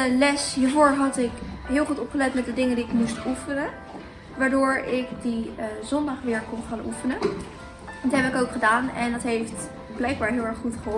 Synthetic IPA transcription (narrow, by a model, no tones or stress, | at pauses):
əlɛsɦiːɹvʊːɹɦɑtɪkɦɪːlˠχutɔpχəlɛtmɛt̚dədɪŋəndiɪkmustufənə | ʋaːɹdʊːɹɪkdizɔndɑχʋɪːɹkɔnχaːnʔufənə | tɦɛbəɪkowkχədaːnɛndɑtɦejft | blɛjɡ̚baːɹɦɪːlˠɛɹχχutχəɦo